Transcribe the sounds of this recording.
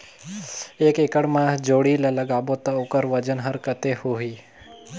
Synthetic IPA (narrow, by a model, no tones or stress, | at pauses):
ekekəɽmãd͡ʒoɽilələɡabot̪aokəɾʋəd͡ʒənɦəɾkət̪ehoɦi